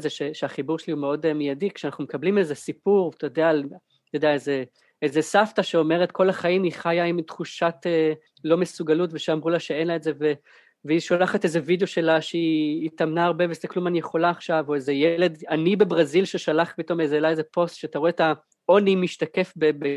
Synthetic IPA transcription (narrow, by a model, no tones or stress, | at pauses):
zeʃeʃeaχibuʁʃeliumeo̞demijadikʃeanaχnumekablime̞ze̞sipuʁtʰajodeal | t̪od̪eaeze̞ | ezesaftaʃeo̞me̞ʁetkʰo̞laχaimiχajaimtχuʃate | lo̞mesuɡalutveʃeamʁulaʃeenlaetze̞ve | veiʃolaχate̞zevid̪eo̞ʃe̞laʃeiːtamnaːʁbevez̥eklumanijeχo̞laːχʃavoezejele̞danibe̞bʁazilʃeʃalaχpito̞mezelaezepo̞stʃeataʁoeata | o̞nimiʃtake̞fbebe